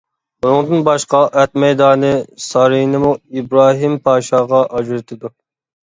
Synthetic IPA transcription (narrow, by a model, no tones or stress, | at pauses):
bunɨŋd̪ɨnbɑʃqɑʔɛt̪mɛjd̪ɑːnɨsɑɾinɨmuibɾɑːɦimpʰɑːʃɑːʁɑʔɑd͡ʒɾɨt̪ʰɪd̪u